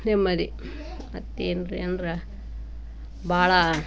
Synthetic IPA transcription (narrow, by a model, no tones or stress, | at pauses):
nemːɐɾi | mɐt̪ːiːnɾendɾɐ | bʱaːɭɐ